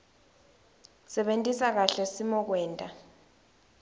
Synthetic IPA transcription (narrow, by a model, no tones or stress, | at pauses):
sɛɓentʼisak̬aɬɛsimɔk̬wɛːntʼa